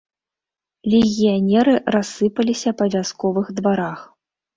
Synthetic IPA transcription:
lʲɛɣʲijanʲɛɾɨrasːɨpɐlʲisʲɐpɐvʲaskɔvɨxd̪vaɾax

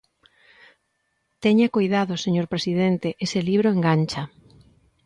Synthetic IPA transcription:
t̪eɲakojðaðoseɲoɾpɾesið̞ent̪eʔeseliβ̞ɾoeŋɡanʲt͡ʃɐ

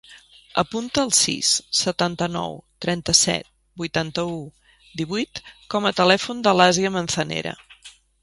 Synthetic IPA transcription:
ə̰punt̪əːlˠsḭsːət̪ant̪ənɔ̰wt̪ɾɛnt̪əsɛ̰t̪̚ | bujt̪ant̪əu | d̪iβujt̪kɔmət̪əlɛfund̪əlaziəmənsənḛɾə̰

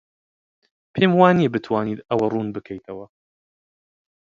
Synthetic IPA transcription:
pʰeːmwaːnibɨt̪ʰwaːniːt̪ɐwɐruːnbɨkʰɛjt̪ʰɐwɐ

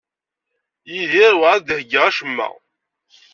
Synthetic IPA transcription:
jiðiɾwʕad̪həɡʁaʃəmːæ̰

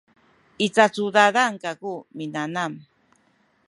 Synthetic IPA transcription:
it͡sat͡sud̪aðaŋkakuminanam

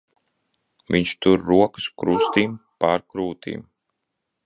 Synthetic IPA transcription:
viɲt͡ʃt̪uɾːuɔkɨskɾust̪iːmpaːɾkɾuːt̪ḭːm

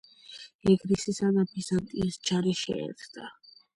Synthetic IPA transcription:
ɛɡɾisisad̪abizant̪ʼiːsd͡ʒaɾiʃɛ̰ɛ̰ɾt̪d̪a

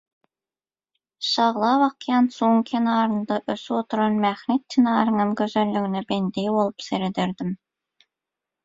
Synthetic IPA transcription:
ʃɑʁlˠɑβɑqjɑnsuːŋkʰenɑːɾɯ̆nd̪ɑʔɵsyot̪ɤ̆ɾɑnmæχnet̪̚kʰinɑːɾɯ̆nɤmkɵ̆zølːy̆ɡĭnebend̪ejbolˠəpseɾed̪eɾd̪ɪm

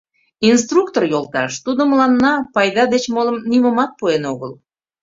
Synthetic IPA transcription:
ins̬t̪rukt̪orjolˠt̪ɑʃt̪ud̪əməlɑnːɑpɑjd̪ɑd̪et͡ɕmoləmniməmɑt̪̚puenoɣəl

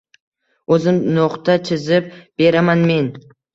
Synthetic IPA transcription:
ɵzɪmnoqt̪at͡ʃʰɪzɪp̚b̥e̞ɾamanme̞n

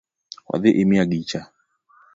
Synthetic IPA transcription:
wa̰ðɪʔemiaɡit͡ʃa

